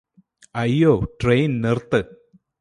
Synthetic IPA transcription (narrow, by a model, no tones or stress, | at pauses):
ɐjːoːʈrejnnirt̪ːɨ